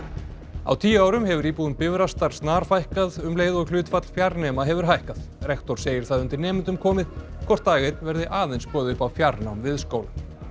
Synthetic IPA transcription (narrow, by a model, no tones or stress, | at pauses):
a̰wt̪ʰiːjaːwɾʏmɦɛvʏɾiːpuːðʏnpɪvɾast̪aɾ̥st̪naːɾ̥fajhkaðʏmleːjðɔɣlʏːt̪fat̪l̥fjaɾnɛːmaɦɛvʏɾ̥ɦajhkað̥rɛkt̪ɔɾ̥seːjɪɾ̥θaðʏnt̪ɪɾnɛːmɪnt̪ʏmkʰɔːmɪð | kʰɔr̥t̪̚d̪aːɣɪt̪nvɛɾðɪʔaːðejnspɔːðʏpawfjaɾnawmvɪðskowlʏm